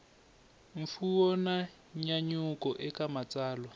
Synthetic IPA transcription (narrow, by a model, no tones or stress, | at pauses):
ɱ̩fuɔna | ɲaɲʊkʼɔʔɪkʼamat͡sʼaːlwa